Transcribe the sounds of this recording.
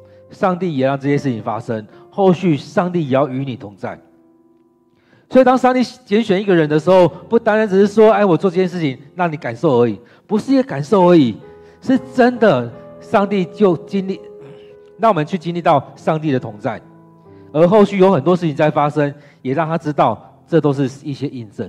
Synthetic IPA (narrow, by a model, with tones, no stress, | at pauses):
ʂɑ˥˧ŋt̪i˥˨jɛ˨˩ɻɑ˥˧ŋʈ͡ʂɤ˥˩ɕjɛ˥ʂɻ̩˥˩t͡ɕʰi˨˩ŋfa̰˦˥ʂə˦ŋxo˥˧ʊɕy˥˨ʂɑ˥˧ŋt̪i˥˨jɛ˨jɑ˥˩ʊy˧˥ni˨˩t̪ʰʊ˨˥ŋt͡sa̰˥˩ɪ | swi˨˩t̪ɑ˥ŋʂɑ˥˧ŋt̪i˥˩t͡ɕjɛ˧˥nɕɥɛ˨ni˥˩ɡə˨ɻə˧˦nd̪ə˨˧ʂɻ̩˧˥xo˥˧ʊpu˥˩t̪a˥nɻa˧˦nʈ͡ʂ̩˨˩ʂɻ̩˥˩ʂwɔ˦e˥˩ɪwɔ˨˩t͡swɔ˥˧ʈ͡ʂɤ˥t͡ɕʰjɛ˥˧nʂ̬ɻ̩˥˩t͡ɕʰi˨˦ŋna˥˩ŋni˨˦ka˨˩nʂo˥˩ʊə˧˥i˨˩ | pu˧˥ʂɻ̩˥˨jɛ˨˥ka˨˩nʂo˥˩ʊə˧˥i˨˩ | ʂɻ̩˥˩ʈ͡ʂə˦˥nd̪ə˨ʂɑ˥˧ŋt̪i˥˨t͡ɕjo˥˩ʊt͡ɕi˥nli˥˩ | ɻɑ˥˩ŋwɔ˨mə˨˦nt͡ɕʰy˥˩t͡ɕi˥nli˥˧t̪ɑ˥˨ʊʂɑ˥˧ŋt̪i˥˩d̪ə˩t̪ʰʊ˧˥ŋt͡sa˥˩ɪ | ə˧˥xo˥˧ʊɕy˥˨jo˧˥ʊxə˨˩nt̪wɔ˦˥ʂɻ̩˥˩t͡ɕʰi˨˦ŋt͡sa˥˩ɪfa˦ʂə˦ŋ | jɛ˨˩ɻɑ˥˩ŋt̪ʰa˥ʈ͡ʂɻ̩˥t̪ɑ˥˨ʊ | ʈ͡ʂɤ˥˩t̪o˥ʊʂ̬ɻ̩˥˧i˥˩ɕjɛ˦ʔi˥˧nt͡sə˥˩n